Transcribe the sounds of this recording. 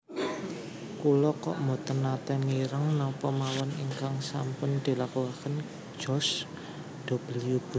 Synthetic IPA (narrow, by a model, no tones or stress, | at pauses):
kulɔkɔ̰ʔmot̪ɔnːat̪ɛmiɾəŋnɔpɔmawɔniŋkaŋsampʊnd̪̥i̤lakuakən̥ | ʒ̥ɔ̤s | d̪̥o̤b̥əliub̥u